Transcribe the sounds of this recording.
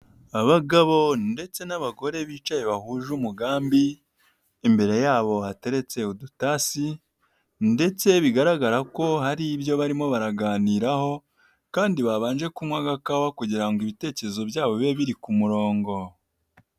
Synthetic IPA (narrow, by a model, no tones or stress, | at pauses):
aβaɡaβo̞nde̞t͡se̞naβaɡo̞ɾe̞βiːt͡ʃaje̞βahuʒumuɡaːmbiː | mbe̞ɾe̞jaːβo̞hate̞ɾe̞t͡se̞udutasi | nde̞t͡se̞βiɡaɾaɡaɾako̞haɾibjo̞βaɾimo̞βaɾaɡaːniːɾaho̞ | kaːndiβaβaːnʒe̞kumŋwaɡakawakuɟiɾaŋɡoiβite̞ːce̞ɾezo̞bjaːβo̞βe̞βiɾikumuɾo̞ːŋɡo̞